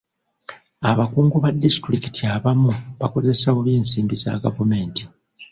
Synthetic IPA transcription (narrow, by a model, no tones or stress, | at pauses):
aβakuːŋɡuβadisi̥tɾiki̥tʰiaβamuβako̞ze̞sawoβjeːnsiːmbiza̰ɡavume̞ːnti